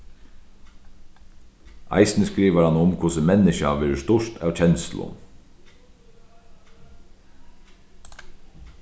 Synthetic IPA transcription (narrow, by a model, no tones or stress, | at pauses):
a̰ɪsnəskɾiːʋəɾhanʊmkʰʊsəmɛnɪʃaʋɛːɾəst̪ʊʂt̪ʰɑːʋt͡ʃʰɛnsl̩ʊ̰n